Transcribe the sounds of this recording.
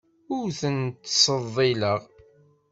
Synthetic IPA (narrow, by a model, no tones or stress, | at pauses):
ʊɾθənt̪ːsˤəðˤːɪləʁ